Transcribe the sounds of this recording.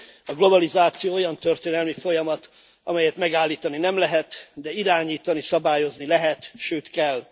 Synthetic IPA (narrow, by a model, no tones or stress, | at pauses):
ɒɡlo̞bɒlizaːt̪sijoːo̞jɒnt̪ørt̪eːnɛlmifo̞jɒmɒt̪ | ɒ̰mɛjɛt̪mɛɡaːlːiːt̪ɒninɛmlɛɦɛt̪d̪ɛiɾaːɲiːt̪ɒnisɒbaːjo̞znilɛɦɛt̪ʃøːt̪kɛl